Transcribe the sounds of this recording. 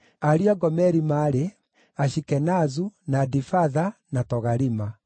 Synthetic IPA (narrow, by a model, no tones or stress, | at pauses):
aɾiaɡɔmɛɾimaɾe | aʃikɛnazunadifaðanatɔɣaɾima